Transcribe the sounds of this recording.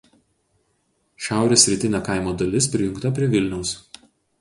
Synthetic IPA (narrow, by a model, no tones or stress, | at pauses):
ʃʲæˑʊɾʲesʲːɾʲɪt̪ʲɪnʲekɑˑɪmoːd̪ɐlʲɪspʲɾʲɪjʊŋkt̪ɐpʲɾʲiɛʋʲɪlʲnʲɛʊs